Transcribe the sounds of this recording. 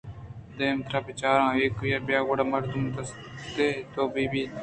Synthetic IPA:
d̪ẽːmt̪ʰɾaːbɪt͡ʃaːɾãːeːkjabjaːɡoɽaːmɐɾd̪umd̪əs | t̪eːt̪oːbiːbiː

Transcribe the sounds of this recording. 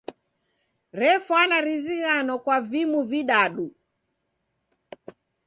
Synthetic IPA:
ɾɛfɔanaɾiziɣanɔkwavimuviɗaɗu

